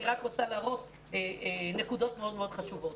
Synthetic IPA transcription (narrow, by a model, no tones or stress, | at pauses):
iʁakʁot͡salaːʁo̞t | enekudo̞tmeo̞d̪meo̞d̪χaʃuvo̞t